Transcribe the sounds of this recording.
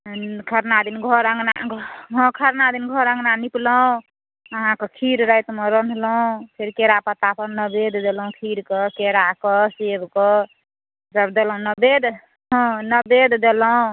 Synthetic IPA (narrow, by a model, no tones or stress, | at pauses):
kʰəɾnad̪inɡʱɔɾə̃ŋɡna̰ɡʱɦɔ̃kʰəɾnad̪inɡʱɔɾə̃ŋɡnanipləɦũ | əɦãkəkʰiɾɾəjt̪meɾənləũpʰeɾkeɾapət̪apʰəɾnəbed̪d̪elũkʰiɾkəkeɾakəsebkə | d͡ʒəbd̪elũnəbed̪ | ɦə̃nəbed̪d̪eləũ